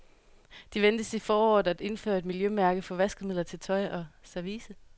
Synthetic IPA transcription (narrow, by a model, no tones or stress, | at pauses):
d̥iʋend̥əsifɒːɒːð̩ˠæd̥e̝nfø̰ːɐe̝d̥miljømæɐɡ̥ð̩ˠfɒ̽ʋæsɡ̥̩mið̰ˠlˠɐt͡sʰe̝lt͡sʰɒ̽ɪʔɒ̽sæɐʋiːsə